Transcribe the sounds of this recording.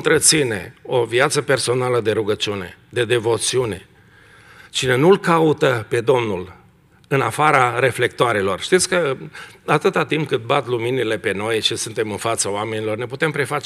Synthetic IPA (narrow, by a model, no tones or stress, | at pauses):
nt̪ɾət̪sine̞̰o̞viat̪səpe̞rso̞naləd̪e̞ɾuɡət͡ʃiune̞̰d̪e̞d̪e̞vo̞t̪siune̞̰ | t͡ʃine̞nulkaut̪əpe̞d̪o̞mnul | ɨnafaɾaɾe̞fle̞k̚t̪oaɾe̞lo̞rʃt̪it̪sʲkəat̪ɨt̪at̪imp̚kɨt̪̚bat̪luminile̞pe̞no̞jʃisunt̪e̞mɨnfat̪səoame̞nilo̞rne̞put̪e̞mpɾe̞fat͡ʃ